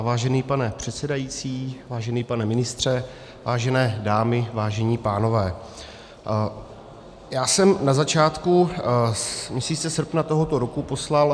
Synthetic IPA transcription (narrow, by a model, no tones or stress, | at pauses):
vaːʒɛniːpanɛpr̝̥ɛt̪sɛdajit͡siːvaːʒɛniːpanɛmɪnɪst̪r̝̥ɛ | vaːʒɛnɛːdaːmɪvaːʒɛɲiːpaːno̞vɛː | jaːsɛmnazat͡ʃaːt̪ku | mɲɛsiːt͡sɛsr̩pnat̪o̞ɦot̪o̞ɾokupo̞slal